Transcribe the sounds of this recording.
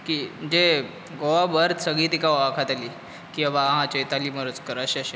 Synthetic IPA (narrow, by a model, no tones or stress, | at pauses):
kiməd͡ʑe | ɡoʋabəɾt̪səɡɭiːt̪ikaoakʰat̪ali | kĩabaɦãt͡ɕejt̪aliːməɾət͡skəɾəɕeəɕe